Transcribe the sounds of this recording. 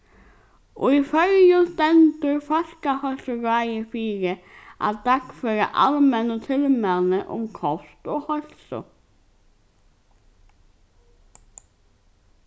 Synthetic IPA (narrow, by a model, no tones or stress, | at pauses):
ʔo̰ːifœɾjʉlt̪ɛnt̪əɾfɑʃkɑhœlsʊɾɑɪəfiːɾəʔɑ̰t̪̚d̪̥ɑkføːɾə̰ʔɑ̰lmənoːt̪ʰɪlmɛlnəʔʊ̰mkʰɔst̪oːhɔɾsʊ̰